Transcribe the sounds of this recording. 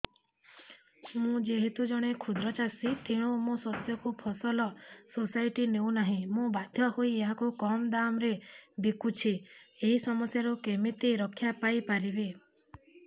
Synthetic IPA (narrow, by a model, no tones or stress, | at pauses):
mũd͡ʒeɦet̪ud͡ʒɔɽ̃ekʰud̪ɾɔt͡ʃasit̪ʰiɽ̃umũsɔt̪jɔkupʰɔsɔlɔsosajʈinew̃naɦĩmũbad̪ʱjɔhoieɦakukɔmd̪amɾebikut͡ʃʰieɦisɔmɔsjaɾukemit̪iɾɔkʰjapajpaɾibe